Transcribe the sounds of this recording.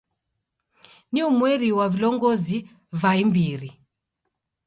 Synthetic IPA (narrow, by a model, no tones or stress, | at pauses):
niumwɛɾiwavilɔŋɡɔzi | vaimbiɾi